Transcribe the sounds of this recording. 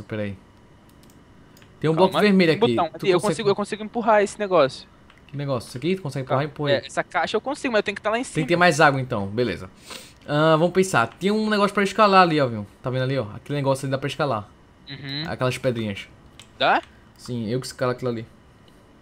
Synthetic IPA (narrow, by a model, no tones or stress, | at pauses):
supɛɾai | t̪ẽj̃ũblɔkveɾmeʎʊabotiɐ̃w̪̃uew̃skõɛsiɡʊewkõsiɡʊẽpuɦaesɪ̥neɡɔsjʊ | neɡɔsjʊsekit̪ukõsɛɡɪẽpuhaẽpuhɛɛsɐkaʃɐewkõsiɡʊmɐzewt̪ẽjkɪt̪alaẽsẽkk̪t̪emajzaɡwɐẽnt̪ɐ̃w̃belḛzɐ | ɐvɐ̃mʊpẽsa̰t̪ĩɲɐũnɛɡɔsjʊ̥pɾɐiʃkalaaliɔvĩwt̪avẽd̪aliɔa̰kelɪnɛɡɔsjʊalid̪apɾɐiʃkala | ũh̩a̰kɛlɐzpɛd̪ɾĩɲɐʃ | d̪a | sĩewkɪskalakilali